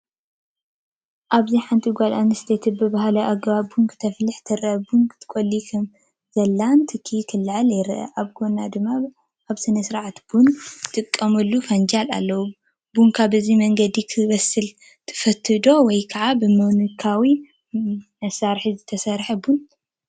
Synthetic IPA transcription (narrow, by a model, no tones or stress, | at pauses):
ʔaβziħant̪ʰʼiɡʷalanɨst̪ʰet̪ʰɨbɨβaɦlɐʔaɡβabuŋkʰt̪ʰɐflɨħt̪ʰɨɾʔɐbunkt̪ʰɨ̥kʼolːikʰɐm | zɐlːant̪ʰɨkʰːikʰɨlːɨʕaljɪɾʔɐ̰ʔaβɡonad̪ɨmːa | ʔaβsɨnɐsɾʕat̪bunt̪ʰʼɨkʼːɐmɨlːufand͡ʒala̰lːɐwu | bunkʰaβɨzimɐŋɡɐd̪ikʰɨβɐsɨl | t̪ʰɨ̥fɐt̪ʰːɨd̪o̞wɔjkʰɐʕabɨmɐwnukʰawi | mɐsaɾħizɨt̪ʰɐsɐɾħɐbun